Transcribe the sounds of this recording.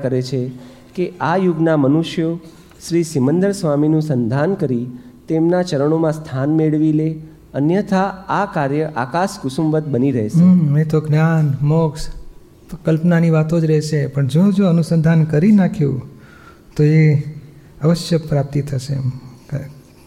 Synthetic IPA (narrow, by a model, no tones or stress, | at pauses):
kəɾet͡ʃʰe | keajuɡnamənuʃjo | ʃɾisimənd̪əɾsʋaminũsənd̪ʱankəɾit̪emnat͡ʃəɾəɳ̃omãst̪ʰanmeɭʋile | ənjət̪ʰaakaɾjəʔakaskʊsumʋət̪̚bəniɾəɦeʃet̪oɡnjanmoks | kəlpnaniʋat̪od͡ʒɾɛɦʃepəɳd͡ʒod͡ʒoənusənd̪ʱankəɾinakʰjṵ̃ | t̪oe | əʋəʃjəpɾap̚t̪it̪ʰəʃe